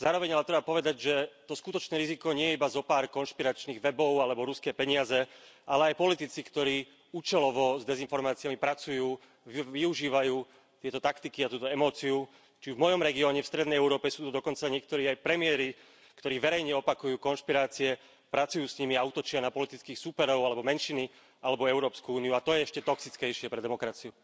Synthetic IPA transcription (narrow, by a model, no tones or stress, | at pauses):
zaːɾɔʋɛɲalɛt̪ɾɛbapɔʋɛd̪aɟʒɛt̪ɔskut̪ɔt͡ʃnɛːɾizikɔɲɛjɛibazɔpaːɾkɔnʃpiɾat͡ʃniːɣʋɛbɔʊalɛbɔɾuskɛːpɛɲɪazɛʔalɛajpɔlit̪it͡sikt̪ɔɾiː | uːt͡ʃɛlɔʋɔzd̪ɛzinfɔɾmaːt͡siɪjamipɾat͡sujuː | ʋiuʒiːʋajuː | t̪ɪɛt̪ɔt̪akt̪ikiat̪uːt̪ɔɛmɔːt͡siu | t͡ʃivmɔjɔmɾɛɡiɔːɲɛfst̪ɾɛd̪nɛjɛʊɾɔːpɛsuːt̪ud̪ɔkɔnt͡saɲɪɛk̚t̪ɔɾiːajpɾɛmɪɛɾi | kt̪ɔɾiːʋɛɾɛjɲɛɔpakujuːkɔnʃpiɾaːt͡siɛ | pɾat͡sujuːsɲimiaut̪ɔt͡ʃɪanapɔlit̪it͡skiːxsupɛɾɔʊalɛbɔmɛnʃini | alɛbɔɛʊɾɔːpskuuːniuat̪ɔjɛɛʃcɛt̪ɔksit͡skɛjʃɪɛpɾɛd̪ɛmɔkɾat͡siu